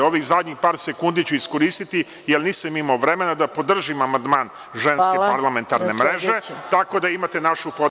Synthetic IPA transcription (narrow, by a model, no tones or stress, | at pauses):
o̞ʋizad̪ɲixpaːɾse̞kund̪it͡ɕuiskoɾiːst̪it̪i | jelniːsamimaoʋɾe̞me̞nad̪apo̞d̪r̩ʒimamand̪maːn | ʒenskkeppaɾlˠame̞nt̪aɾnemɾeʒe̞t̪ako̞d̪aimat̪e̞naʃupo